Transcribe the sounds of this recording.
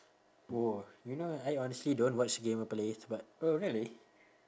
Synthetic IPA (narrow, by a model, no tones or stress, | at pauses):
ojunoajɔnəstlidõnwɔt͡ʃdəɡẽmɔpleθbat̚oɹili